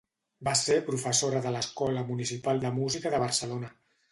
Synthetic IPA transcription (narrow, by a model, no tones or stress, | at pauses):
basepɾufəsoɾəðələskɔləmunisipalˠd̪əmuzikəðəβ̞əɾsəlonə